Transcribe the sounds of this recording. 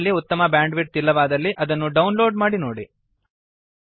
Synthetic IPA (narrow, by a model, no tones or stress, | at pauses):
lːiut̪ːɐmɐbjaːɳɖʋiʈ̚t̪ilːɐʋaːd̪ɐlːiʔɐd̪ɐnːuɖɐwunlo̞ːɖmaːɽinoːɽi